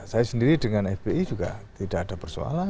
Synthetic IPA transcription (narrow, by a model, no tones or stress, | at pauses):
sajasəndiɾidəŋanɛfb̥eid͡ʒuɡa̰t̪idaʔːdapərso̰a̰la